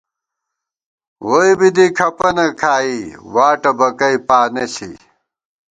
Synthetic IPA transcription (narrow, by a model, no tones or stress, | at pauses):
wojbid̪ikʰɐpɐnɐkʰaːiwaːʈɐbɐkɐjpaːnesḭ